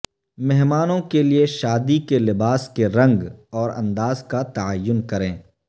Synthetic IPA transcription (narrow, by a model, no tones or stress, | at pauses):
mɛɦmaːnõkelieʃaːd̪ikelɪbaːskeɾɐ̃ŋɡɔːɾɐ̰̃nd̪aːzkat̪ɐajːʊnkɐɾẽː